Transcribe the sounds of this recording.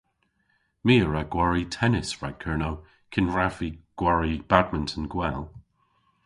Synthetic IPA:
miːəɹaɡ̥waɹitʰɛnɪsɹaɡ̚kʰɜɹnow | kʰɪnɹaviɡ̥waɹib̥adməntʰənɡwɛlˠ

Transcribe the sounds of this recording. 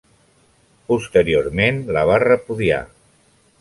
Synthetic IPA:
pust̪əɾioɾmenləβ̞arəpuðia̰

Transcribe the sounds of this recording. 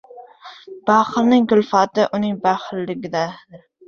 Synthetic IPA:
b̥aχɨlnɪŋɡʊlfɑt̪ɪʔʊnɪŋbæχlːɪɡʲɪd̪ad̪ɪ

